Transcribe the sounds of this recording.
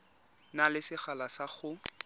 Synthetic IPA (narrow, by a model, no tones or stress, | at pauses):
nalɪsɪχalasaχʊ